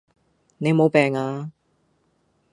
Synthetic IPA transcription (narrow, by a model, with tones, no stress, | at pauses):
ne˨˧jmo˨˧wpɛː˨ŋaː˧